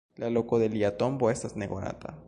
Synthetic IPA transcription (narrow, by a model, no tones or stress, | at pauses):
lalokoðeliat̪omboest̪azneɣona̰t̪ʰa̰